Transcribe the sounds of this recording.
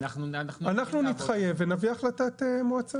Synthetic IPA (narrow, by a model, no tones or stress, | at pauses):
anaχnunit̪χaje̞venaviaχlat̪at̪emoat͡sa